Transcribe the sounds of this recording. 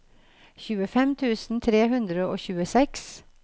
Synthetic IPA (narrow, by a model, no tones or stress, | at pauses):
çʉːəfɛmt̪ʰʉːsn̩t̪ʰɾeːɦʉnd̪ɾəoːçʉːəsɛks